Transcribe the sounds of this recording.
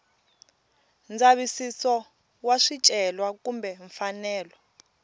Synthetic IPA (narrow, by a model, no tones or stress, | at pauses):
nd͡zaβisisɔ | waʂit͡ʃʼɛlwakumbɛɱfanɛːlɔ